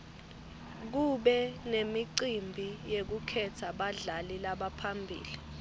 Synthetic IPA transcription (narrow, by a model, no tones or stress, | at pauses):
k̬uɓɛnemiǀimbʱijek̬ukʰɛtʰaɓaɮalilaɓapʰambʱḭːli